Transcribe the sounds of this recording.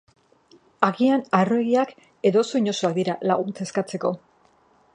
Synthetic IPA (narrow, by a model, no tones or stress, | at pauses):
aɣianaroeɣiak | e̞ðo̞soiɲo̞suak̚d̪iɾalaɣunt͡se̞skat͡se̞ko̞